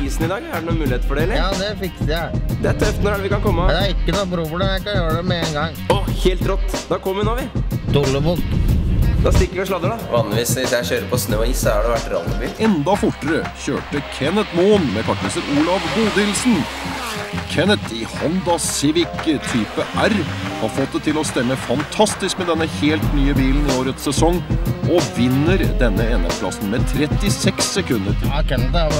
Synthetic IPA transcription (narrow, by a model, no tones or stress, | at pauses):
iːsn̩ɪd̪ɑːɡæɖɛnuːnmʉːlɪeːt̪əfɔɖɛɛlːəjɑːd̪ɛfɪkəsjæd̪ɛæt̪ʰœft̪nɔɾæləʋɪkɑnkʰɔmːəd̪æɾɪkːənupʰɾuːpɔlɛmjæɪkɑnjøːɾəɖ̪ɛmɛeːnɡɑŋ | ɔheːlt̪ɾɔt̪ːd̪ɑkʰɔmːʉnɑʋɪd̪ʊlːəbʊlt̪d̪ɑst̪ɪkːəɾʋɪʂɭɑd̪əɖɑʋɑːnlɪʋiːsʋɪsjæɪçøːɾəpʰɔsnøːɔiːsɔhɑɖɛʋæʈːɾɑ̰ːləbiːɛnd̪ɑfʊʈːəɾəçø̰ːʈəkʰɛnət̪moːnmɛkʰɑʈməsəɾuːlɑʋɡuːd̪ɪlsn̩ | kʰɛnət̪ɪhɔnd̪ɑsɪʋɪkt̪ʰyːpəʔæɾhɑɾfɔt̪̚d̪ɛt̪ʰɪlɔst̪ɛmːəfɑnt̪ʰɑst̪ɪskmɛd̪ɛnːəheːlt̪nyːəbiːlnɪoːɾət̪ssɛsɔŋːʔɔʋɪnːəɾd̪ɛnːəɛnə̰pʰlɑ̰sn̩mɛt̪ʰɾɛt̪ːɪsɛksːɛkʰʉnːəɾ